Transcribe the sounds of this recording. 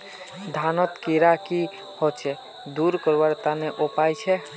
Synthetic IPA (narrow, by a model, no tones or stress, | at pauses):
d̪ʱanɔt̪kiɾaki | hɔt͡ʃʰɛ | d̪uɾkɔɾbaɾt̪aneʔopajt͡ʃʰɛ